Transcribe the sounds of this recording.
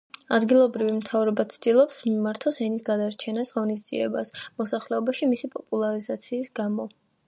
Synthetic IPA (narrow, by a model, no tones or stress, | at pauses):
ad̪ɡilˠɔbɾivimt̪ʰavɾɛbat̪sʰd̪̥ilˠɔpsmimaɾt̪ʰɔsɛnisɡad̪aɾt͡ʃʰɛnasʁɔnis̬d̪z̥ḭɛ̰basmɔsaχlɛɔbaʃimisipʼɔpʼulˠaɾizat̪sʰiːsɡamɔ